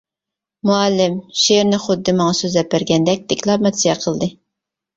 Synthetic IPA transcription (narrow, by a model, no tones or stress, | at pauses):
muɛlːɪmʃeɾnɪχʊd̪ːɨmɑŋɑsøzɛpːæɾɡʲɛnd̪ɛk̚ʲd̪̥ɪkʲlˠɑpmɛt̪sijɑqʰəlˠd̪ɨ